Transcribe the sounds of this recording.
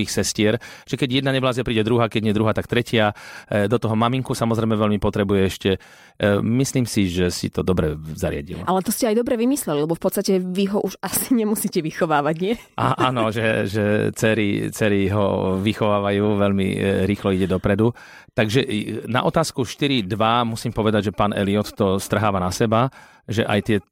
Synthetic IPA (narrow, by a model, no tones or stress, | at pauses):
iːxsɛscɪɛɾ | ʒ̥ɛkɛɟjɛd̪naɲɛblaːzɛpɾiːɟɛd̪ɾuɦaːkɛɟɲɪɛd̪ɾuɦaːt̪akt̪ɾɛcɪad̪ɔt̪ɔɦɔmamiŋkusamɔzɾɛɪmɛʋɛʎmipɔt̪ɾɛbujɛɛʃcɛ | misliːmsiʒɛsḭt̪ɔd̪ɔbɾɛzaɾɪa̰ɟḭl̰ʔalɛt̪ɔscɛajd̪ɔbɾɛʋimislɛlilɛbɔfpɔt̪st̪acɛʋiɦɔʔuʒasi̥ɲɛmusiːcɛʋixɔʋaːʋaɟɲɪɛ | ʔaʔaːnɔʒɛʒɛt͡sɛɾit͡sɛɾiɦɔ̰ʋixɔʋaːʋajuːʋɛʎmḭɾiːxlɔiɟɛd̪ɔpɾɛd̪u | t̪aɡʒɛna̰ʔɔt̪aːskuʃt̪iɾid̪ʋamusiːmpɔʋɛd̪aɟʒɛpaːnɛ̰liɔt̪t̪ɔst̪r̩ɦaːʋanasɛba | ʒɛʔajt̪ɪɛ